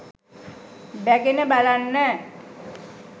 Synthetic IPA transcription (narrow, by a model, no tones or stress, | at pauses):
bæɡenəbalanːɛː